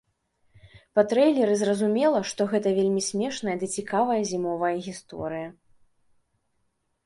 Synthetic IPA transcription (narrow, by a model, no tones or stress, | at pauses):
pɐt̪ɾɛjlʲɛɾɨzrɐzumʲɛlˠɐʂt̪ɔɣɛt̪ɐvʲelʲmʲisʲmʲɛʂnɐjɐd̪ɨt͡sʲikavɐjɐzʲimɔvɐjɐɣʲist̪ɔ̰ɾɨjɐ